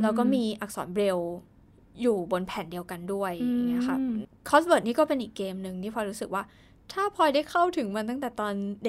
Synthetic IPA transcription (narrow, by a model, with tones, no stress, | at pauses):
ɾa˧wkɔː˥˩miː˧ʔa˨˩k̚sɔ̰ː˩˦nbɾe˧w | juː˨˩bo˧npʰɛː˨˩˦ndi˧əwka˧ndu˥˩əjŋːi˦˥ɐ˧kʰa˦˥˩kʰɔː˦˥sbɤː˨˩t̪̚niː˦˥˩kɔː˥˩pe˧nʔiː˨˩kːeː˧mnɯ˨˩ŋtʰiː˥˩pʰɔː˧jɾu˦˥sɯ˨˩k̚waː˥˩ | t̪ʰaː˥˩pʰɔː˧jda˥˩jkʰa˥˩wt̪ʰɯ˩˦ŋma˧t̪̬a˥˩ŋt̪ɛː˨˩t̪ɔː˧nde˧